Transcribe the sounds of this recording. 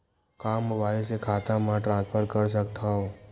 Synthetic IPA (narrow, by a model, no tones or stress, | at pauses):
kaːmʊbaːisekʰaːt̪ãmãʈɾãːnspʰəɾkɐɾs̬ɐk̚t̪ʰaɦoː